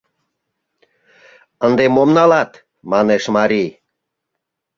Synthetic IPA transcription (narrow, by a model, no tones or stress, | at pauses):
ənd̪emomnɑlɑt̪ | mɑneʃmɑɾij